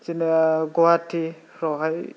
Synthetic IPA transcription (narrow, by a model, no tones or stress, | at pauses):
t͡ʃinɡɔwatʰi | ɾɔɦaj